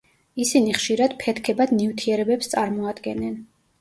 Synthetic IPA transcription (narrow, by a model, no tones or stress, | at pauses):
isiniχʃiɾad̪̥pʰɛt̪ʰkʰɛbad̪nivt̪ʰiɛɾɛbɛpst̪sʼaɾmɔad̪ɡɛnːɛn